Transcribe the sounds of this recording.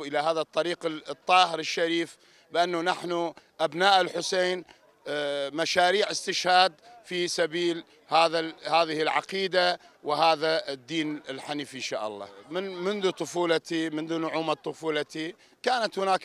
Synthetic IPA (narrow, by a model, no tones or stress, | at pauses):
ʔɪlahaːðat̪ˤːɑɾiːqt̪ˤːɑːhɪɾɪʃːaɾiːf | bɪʔanːunaħnuʔabnaːʔɪlħʊseːn | maʃaːɾiːʕɪst̪ɪʃhaːd̪fisabiːl | haːðahaːðɪhɪlʕɑ̰qiːd̪a | wɪhaːðad̪ːiːnɪlħaniːfɪnʃa̰ːʔɑ̰lˤːɑ̰ːmɪnmʊnðut̪ˤʊfuːlat̪imʊnðunʊʕuːmat̪ˤːʊfuːlɑt̪i | kaːnat̪hʊnaːk